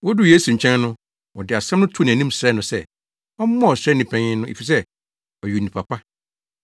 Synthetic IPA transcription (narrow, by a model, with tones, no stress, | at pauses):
wɔ˦du˦jeː˦su˨ɲ̩˨t͡ɕʰɛ̃˦n˦nʊ̃˦ | wɔ˨dɪ˨a˨sɛ̃˦mnʊ̃˦tʰʊ˦ñ˨æ˨nĩ˦msɾɛ˦nʊ̃˨sɛ˦˨ | ɔ˦m˦mːɔ̃˦ɔ˨sɾɛ˦nːĩ˨pʰɛ̃˨ɲɪ̃˦nʊ̃˦ʔḛ˨fi˨s̬ɛ˦ | ɔ˨ɥi˨n˨ĩ˨pʰa˨pʰa˦